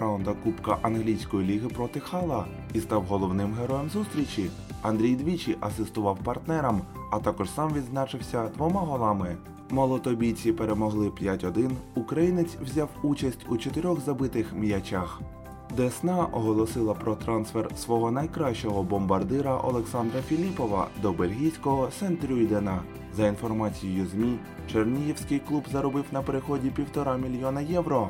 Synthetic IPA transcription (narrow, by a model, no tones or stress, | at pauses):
and̪ɐkupkɐʔɐnɦlʲijsʲkɔjilʲiɦɪpɾɔt̪ɪxɑlˠɐ | ist̪ɑwɦɔlˠɔwnɪmɦeɾɔjɛmzust̪ɾʲit͡ʃʲi | ɐnd̪ɾʲijd̪ʋʲit͡ʃʲiʔɐsɪst̪ʊʋɑwpɐrt̪nɛɾɐmɐt̪ɑkɔʒsɑmʋʲid̪znɑt͡ʃɪwsʲɐd̪ʋɔmɑɦɔlˠɑmɪ | mɐlˠɔt̪ɔbʲijt͡sʲipeɾemɔɦlˠɪpʲjatʲɔd̪ɪnʊkɾɐjinet͡sʲwzʲɑwut͡ʃɐsʲtʲut͡ʃɔt̪ɪɾʲɔɣzɐbɪt̪ɪxmjɐt͡ʃax | d̪ɛsnɑʔɔɦɔlˠɔsɪlˠɐpɾɔt̪ɾɑnsfersʋɔɦɔnɐjkɾɑʃt͡ʃɔɦɔbɔmbɐrd̪ɪɾɐʔɔ̰lˠeksɑnd̪ɾɐfʲilʲipɔʋɐ̰d̪ɔbelʲɦʲijsʲkɔɦɔsɛnt̪ɾʲujd̪ɛnɐ | zɐinfɔrmɑt͡sʲijjʊzʲmʲi | t͡ʃernʲijiwsʲkɪjklˠubzɐɾɔbɪwnɐpeɾexɔdʲipʲiwt̪ɔɾɑmʲilʲjɔnɐjɛwɾɔ